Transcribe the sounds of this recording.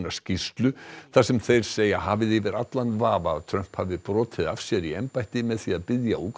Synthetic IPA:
nḁscist̪lʏθasɛmθejɾ̥seːjaɦaːvɪðivɪɾat̪lanvaːvaðt̪ʰɾœm̥phavðɪpɾɔːt̪ʰɪðafsjɛɾiɛmpajt̪ɪmɛðθiaðpɪðjauːk

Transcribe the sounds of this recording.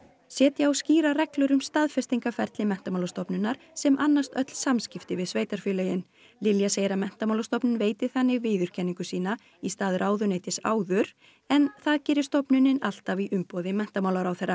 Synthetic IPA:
sjɛːt̪jaawsciːɾarɛklʏɾʏmst̪aðfɛst̪iŋkafɛɾ̥t̪lɪmɛn̥t̪amawlast̪ɔpnʏnːaɾ̥ | sɛmʔanːast̪œt̪l̥samscɪft̪ɪvɪðsveːjt̪aɾ̥fʏːlɛjɪn | lɪljaseːjɾamɛn̥t̪amawlast̪ɔpnɪnveːjt̪ɪθanːɪɣvɪːðʏɾ̥cʰɛnːiŋkʏsiːna | ist̪aːðɾʔaːwðʏneːjt̪ɪsa̰ːwðʏɾ | ɛnθaðcɪːɾɪ̥st̪ɔpnʏnːɪnal̥t̪aviʔʏmpɔðɪmɛn̥t̪amaːwlaɾawθɛrːa

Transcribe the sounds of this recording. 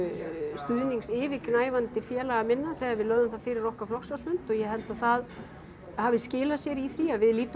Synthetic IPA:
st̪ʏðniŋksɪːvɪknaːjvant̪ɪfjɛːlaɣamɪnːaθɛɣaɾvɪðlœːðʏmθaðfɪːɾɪɾɔhkaɾflɔksasmʏnt̪ɔɣjɛɦɛlt̪aðθað | havɪscɪːlasjɛɾiθiaðvɪðliːt̪

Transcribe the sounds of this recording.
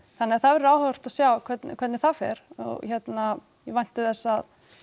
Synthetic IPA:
θanːɪaθavɛɾaːwhœr̥t̪aðsjaːwkʰvɛt̪nkʰvɛt̪nɛɾ̥θafɛ̰ɾ̥ɔ̰ɣçɛt̪na | jɛvajn̥t̪ɪθɛsːað

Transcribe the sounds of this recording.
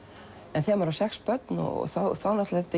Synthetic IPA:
ɛnθɛmvaɾasɛxspœt̪nɔ̰ɣ̰θaθawnat̪lɛft̪ɪ

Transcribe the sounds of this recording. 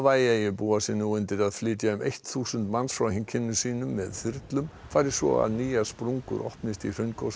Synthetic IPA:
vaːjajɪpuːasinːuʏnt̪ɪɾaðflɪːt̪jaʏmejht̪θuːsʏnt̪mansfɾawhɪŋcʰɪnːʏsiːnʏmːɛðfʏɾt̪lʏm | faːjɾɪ̥svɔ̰a̰ðniːjaspɾuŋkʏ̰ɾʔɔ̰hpnɪst̪ir̥œɥnko

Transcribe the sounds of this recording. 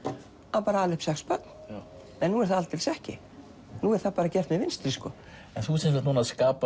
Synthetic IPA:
aðpaːɾaaːlɪhpsɛxspœt̪n̥ | ɛnːuɛɾ̥θaðalt̪ːɪlsɛhcɪ̰ | nuɛɾ̥θaðpaːɾacɛr̥t̪mɪvɪnst̪ɾiskɔ | ɛnθusɛnmsat̪nuːnaðskaːpa

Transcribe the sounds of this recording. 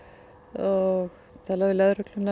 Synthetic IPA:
ɔɣ | t̪ʰalavɪlɛðrœklʏna

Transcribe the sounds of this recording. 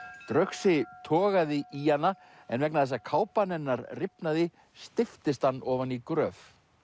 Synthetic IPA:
t̪ɾœɥxsɪt̪ʰɔːɣaðɪʔianːa | ɛnvɛk̚naðθɛs̬ːakʰaːwpanɛnːaɾrɪpnaðɪ | st̪ɪft̪ɪst̪hanːɔːvanikɾœːf

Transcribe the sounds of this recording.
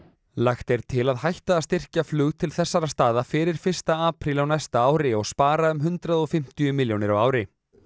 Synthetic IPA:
laxt̪ɛɾ̥t̪ʰɪlaðhajht̪aːðst̪ɪr̥caflʏːɣt̪ʰɪlθɛsːaɾast̪aːðafɪɾɪɾ̥fɪr̥st̪aaːpɾilawnɛjst̪aaːwɾɪɔɣspaːɾaʏmɦʏnt̪ɾaðɔfɪm̥t̪ijʏmɪljownɪɾawaːwɾɪ

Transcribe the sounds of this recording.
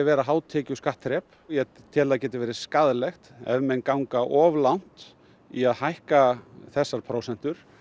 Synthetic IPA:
ɛvɛːɾaɦaːwt̪ʰɛːcʏskaht̪ɾɛp | jɛ | t̪ʰɪːlaðcɛːt̪ɪvɛːɾɪ̥skaðlɛxt̪ɛ̰ðmɛnkawŋkaʔɔvlan̥t̪ | iaðhajhkaθɛsːaɾ̥pʰɾowsɛn̥t̪ʏɾ̥

